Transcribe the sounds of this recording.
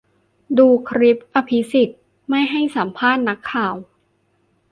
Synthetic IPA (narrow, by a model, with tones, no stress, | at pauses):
duː˧kʰɾi˦˥p̚ʔa˧pʰi˦˥si˨˩t̪̚ | ma˥˩jɦa˥˩jsa˩˦mpʰaː˥˩t̪̚na˦˥kʰːaː˨˩w